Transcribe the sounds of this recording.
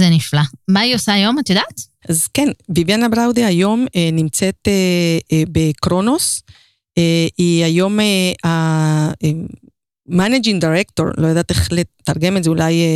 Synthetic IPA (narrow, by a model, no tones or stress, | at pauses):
zeniflamaiosaːjo̞mat̪ajodaːt̪ | ʔazkenvivjanabʁawd̪eajo̞menimt͡set̪ebekʁo̞no̞s | eiajo̞mea | eː | anad͡ʒiŋd̪aʁekt̪o̞̰ʁlʔojad̪at̪eχlet̪aʁɡe̞metzeulaje